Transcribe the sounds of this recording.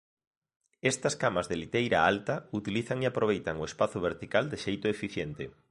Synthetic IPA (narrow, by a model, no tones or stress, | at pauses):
est̪askamazðelit̪ejɾa̰alt̪aut̪iliθaŋiapɾoβ̞ejt̪aŋoespaθoβ̞eɾt̪ikald̪eʃejt̪ʊefiθjent̪e